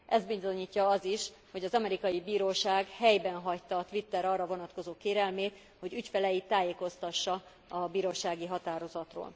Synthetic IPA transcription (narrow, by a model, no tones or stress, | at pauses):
ʔɛzd̪̚bizo̞ɲiːcːɒɒziʃ | ho̞ɟɒzɒmɛɾikɒjibiːɾoːʃaːɡhɛjbɛnɦɒct̪ːɒːt̪ʋit̪ːɛɾɒrːɒvo̞nɒt̪ko̞zoːkeːɾɛlmeːt̪ | ho̞ɟycfɛlɛjit̪ːaːjeːko̞st̪ɒʃːɒ | ɒbiːɾoːʃaːɡiɦɒt̪aːɾo̞zɒt̪ro̰ːl